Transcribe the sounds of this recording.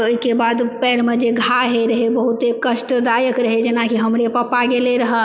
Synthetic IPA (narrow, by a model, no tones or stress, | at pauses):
oikebad̪pɛɾmed͡ʒeɡʱaɦeɾəɦebəɦut̪ekəʃʈəd̪ajəkɾəɦed͡ʒenakiɦəmɾepəpaɡeleɾəɦə